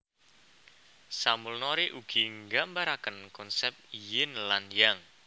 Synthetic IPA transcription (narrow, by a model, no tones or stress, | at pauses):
samulnɔɾeʔuɡ̥iŋɡaʔmbaɾakənkɔnsɛp̚jɪnlanjaŋ